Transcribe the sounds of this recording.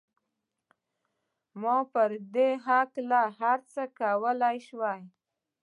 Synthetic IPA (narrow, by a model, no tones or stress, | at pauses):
mɔpəɾd̪eɦaklaɦaɾt͡səkawəlajʃwaj